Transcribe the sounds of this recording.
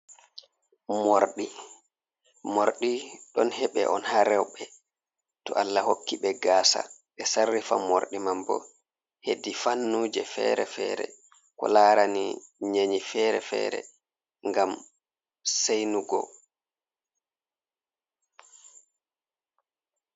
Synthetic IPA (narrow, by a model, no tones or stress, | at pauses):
moɾɗi | moɾɗiɗɔnhɛɓɛ̰ʔɔnhaɾɛwɓɛ | tɔʔalːahokːiɓɛɡaːsa̰ɓɛsarːifamoɾɗimambɔ̰ | hedifanːuːd͡ʒɛfɛ̰ːɾɛfɛːɾɛ̰ | kɔ̰laɾaniɲaɲifɛɾɛ̰fɛ̰ːɾɛ̰ | ŋɡam | sejnuɡɔ̰